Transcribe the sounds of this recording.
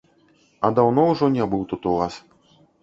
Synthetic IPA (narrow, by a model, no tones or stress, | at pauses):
ɐd̪awnɔwʐɔnʲɛbɨwt̪ut̪uvas